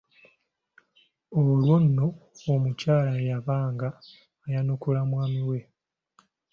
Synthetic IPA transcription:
olwonːo̞omucaːlajaβaːŋɡaː | janukulamwaːmiwe̞

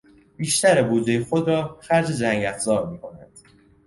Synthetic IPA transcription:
b̥iːʃt̪æɾebuːd͡ʒejexod̪ɾɒːxæɾd͡ʒed͡ʒæŋɟæfzɒːbmiːkʰo̞nænd̪̥

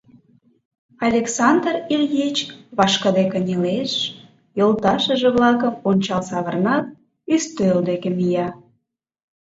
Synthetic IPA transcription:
ɑlʲeksɑnd̪rilʲjet͡ɕβɑʃkəd̪ekənʲileʃ | jolˠt̪ɑʃəʒĕβlɑkəmonʲt͡ɕɑlsɑβə̆rnɑt̪̚ | yst̪øld̪ekemijɑ

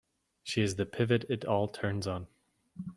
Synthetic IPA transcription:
ʃiɨzðɨpʰɪvɨɾɨɾɔlˠtʰɜ̃˞nzn̩

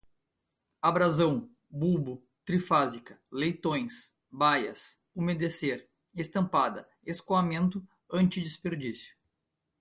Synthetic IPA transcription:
abɾazɐ̃w̃ | bubʊ | t̪ɾifazikɐ̥lejt̪õj̃s | bajɐ̰s | omed̪eseɾ | est̪ɐ̃mpad̪ɐ | eskoamẽnt̪ʊ | ɐ̃nt͡ʃɪd͡ʒispeɾd͡ʒisjʊ̥

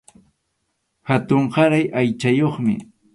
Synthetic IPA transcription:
hat̪ʊɴɢɑɾajʔajt͡ʃajoχmɪ̰

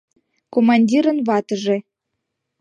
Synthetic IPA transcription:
komɑnʲdʲiɾə̆nβɑt̪əʒe

